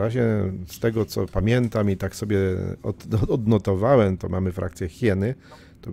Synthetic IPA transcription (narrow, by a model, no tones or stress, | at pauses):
ɾaʑɛst̪ɛɡɔt̪sɔpamʲjɛnt̪amit̪aksɔbʲjɛɔ̰ɔd̪nɔt̪ɔvawɛmt̪ɔmamɘfɾʔa̰k̚t̪sʲjɛxʲjɛnɘ | t̪ɔ